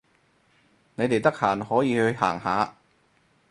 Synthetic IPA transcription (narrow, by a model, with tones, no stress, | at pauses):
ne˨˧jt̪e˨jt̪ɐ˥k̚haː˨˩nhɔː˨˥jiː˨˧hɵ˧ɥha̰ː˨˩ŋɦaː˨˧˥